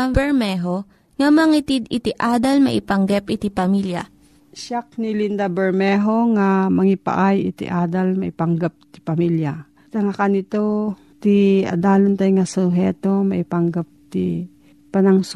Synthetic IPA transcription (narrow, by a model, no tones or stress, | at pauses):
bɛɹmɛɦo | ŋɐmɐŋɪt̪id̪ɪt̪ɪʔaːd̪ɐlmɐ̰ʔɪpɐŋɡɛpʔɪt̪ipɐmilja̰ | ʃak̚nilind̪abɛɹmɛɦoŋamɐŋɪpa̰ʔajɪt̪ḭʔaːd̪almɐʔɪpaŋɡap̚t̪ɪ̥pɐmilja | t̪aŋakanɪt̪o | t̪ia̰d̪aːlʊnt̪ajŋasʊɦɛːt̪omɐʔɪpaŋɡap̚t̪ḭ | panaŋs